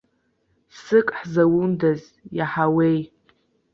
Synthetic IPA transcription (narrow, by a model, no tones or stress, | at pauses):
sɨkʼħzawundaz | jaħawej